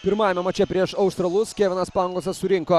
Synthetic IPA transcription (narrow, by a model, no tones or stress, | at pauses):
pʲɪɾmɑːjɛmʲɛmɐt͡ʃʲɛpʲɾʲiɛʃɐʊʃst̪ɾɐlˠʊskʲæːʋʲɪnɐspɑːŋɡlˠosʲɐssʊɾʲɪŋkoː